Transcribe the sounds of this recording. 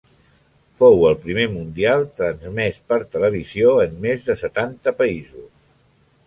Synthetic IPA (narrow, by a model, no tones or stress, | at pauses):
fowəlˠpɾimemund̪ialˠt̪ɾənzmɛspəɾt̪ələβ̞izioənːezðəsət̪ant̪əpəizus